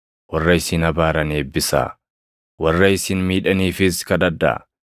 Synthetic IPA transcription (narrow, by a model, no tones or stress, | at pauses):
wɐrːɐɪsɪnɐbaːɾɐneːbːɪsa̰ː | wɐrːɐɪsɪnmiːᶑɐniːfɪskɐd̪ɐd̪ɐ̰